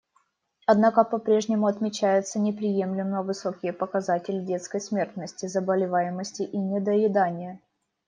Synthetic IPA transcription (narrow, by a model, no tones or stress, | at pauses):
ɐd̪nakəpɐpɾʲe̞ʐnʲɪmʊɐt̪mʲɪt͡ɕæjɪt̪sənʲɪpɾʲɪjemlʲɪməəvɨsokʲɪjəpəkɐzatʲɪlʲɪdʲe̞t̪skəjsmʲe̞rt̪nəsʲtʲɪzəbəlʲɪvajɪməsʲtʲɪʔinʲɪd̪əɪd̪anʲɪjə